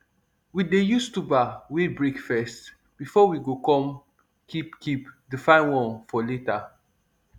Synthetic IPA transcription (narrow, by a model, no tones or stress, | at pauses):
widejustubawebɹekfɛst | b̥ifɔwiɡokɔ̃m | kʰipkipdəfãɪ̃nwɔ̃nfɔleta